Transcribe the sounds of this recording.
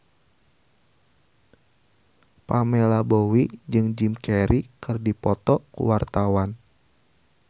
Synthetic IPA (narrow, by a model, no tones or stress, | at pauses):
pamɛlabowid͡ʒɨŋd͡ʒimkɛɾikɨrdipɔt̪ɔkṵwart̪awan